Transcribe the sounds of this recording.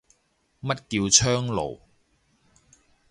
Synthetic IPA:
mɐ˥t̚kiː˧wt͡sʰœː˥ŋlo̰˨˩w

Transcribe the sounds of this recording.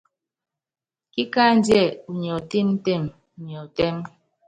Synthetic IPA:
ki˦ka˦n˦djɛ˦˨u˨ɲ˨ɔ˨ti˦m̩˦te˦˨m˨ | ɲ˨ɔ˨tɛ˦m

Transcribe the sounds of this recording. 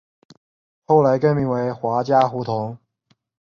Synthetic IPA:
xo˥˩ʊla˧˥ɪkə˥˧nmi˧˥ŋwe˧˥ɪxwa˧˥t͡ɕja˥xu˧˥t̪ʰʊ˧˥ŋ

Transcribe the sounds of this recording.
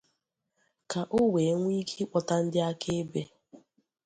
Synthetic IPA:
ka˨ʔʊ˦we˨˦ŋʷ˦i˦kʰi˦k͡pɔ˨ta˦n̩˦dɪ˦a˦kʰe˦be˦

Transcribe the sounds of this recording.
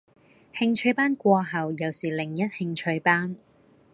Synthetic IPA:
hɪ˧ŋt͡ʃʰɵ˧ɥpaː˥nkʷɔː˧ɦɐ˨wjɐ˨˩wsiː˨˩lɪ˨˩ŋjɐ˥t̚hɪ˧ŋt͡ʃʰɵ˧ɥpaː˥n

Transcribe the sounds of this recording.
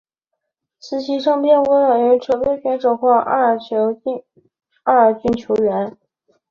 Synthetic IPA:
sɹ̩˧˥ɕʰi˥ʂɑ˥˧ŋpjɛ˥˩nwɛ˧˥wɛ˨˩ɛ˧˥nʈ͡ʂʰɤ˨˧˩pe˥ɪkɛ˧˥nʈ͡ʂo˨˩xwɑ˥˧ʔt͡ɕʰo˧˥˧ | a˥˩ə˞˨˩t͡ɕy˥nt͡ɕʰjo˧˥ʊɥɛ˧˥n

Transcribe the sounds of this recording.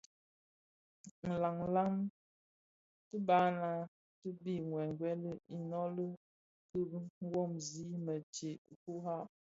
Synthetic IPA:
n̩˨la˨ŋ̩la˦m | tə˦ba˨˦na˨˦ | tə˦bi˦˨ŋwɛ˨ŋ˨ɡwɛ˦lə˦i˨nɔ˦lə˦ | tə˦ŋ˦ɡwɔ˦˨mzi˦mə˨t͡ʃe˨ku˦ɦa˦˨p̚

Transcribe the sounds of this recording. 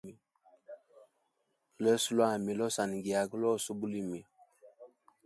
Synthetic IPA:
i˨ | lɛ˦su˦la˦˨mi˨lɔ˦sa˨ni˨ɡi˨a˨ɡə˦lɔ˦˨so˦bu˦li˦mi˨

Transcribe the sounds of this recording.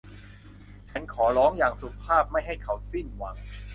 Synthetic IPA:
t͡ɕʰa˦˥nkʰɔː˩˦lɔː˦˥ŋjaː˨˩ŋsu˨˩pʰːaː˥˩p̚ma˥˩jɦa˥˩jkʰa˨˦˥wsi˥˩nwa˩˦ŋ

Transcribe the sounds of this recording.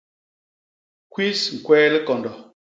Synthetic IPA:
kwi˦sŋ̩˨kwɛː˦li˦kɔ˨ndɔ˨

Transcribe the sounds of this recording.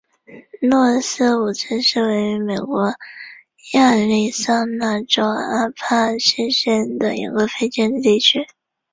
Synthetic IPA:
nwɔ˥˩sɹ̩˥˩u˨˩t͡sʰə˧˥nʂɻ̩˥˩we˧˥ɪy˧˥me˨˩ɪkwɔ˧˥ | ja˥˩li˥˩sɑ˥˧ŋna˥˩ʈ͡ʂo˥ʊa˥pʰa˥ɕɛ˥˧nɕjɛ˥˩nd̪ə˩ḭ˧˥ɡə˧fe˥˧ɪʈ͡ʂjɛ˥˧nd̪ə˩t̪i˥˩t͡ɕʰy˥

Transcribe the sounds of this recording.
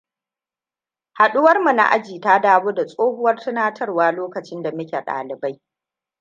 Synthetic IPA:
ha˨ɗʊ˦wɐ˦rmu˨na̰˦ʔa̰˦d͡ʒiː˨ta˦daː˦woː˦da˨sʼoː˦hʊ˦wɐ˦rtʊ˦naː˦tʰɐ˦rwaː˦loː˦kɐ˨t͡ʃɪ˦nda˨mɐ˦kʲe˨ɗa̰ː˨lɪ˨ba˦j

